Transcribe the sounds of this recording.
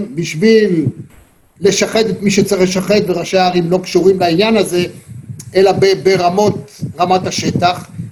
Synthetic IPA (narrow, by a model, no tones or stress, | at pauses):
nbiʃvilː | e̞ʃaχet̪et̪miʃet͡saχleʃ̬aχet̪̚beʁaʃeaʁimlo̞kʃuʁimlainjanaze̞ʔelabebeʁamo̞t̪ʁamat̪aʃe̞t̪aχ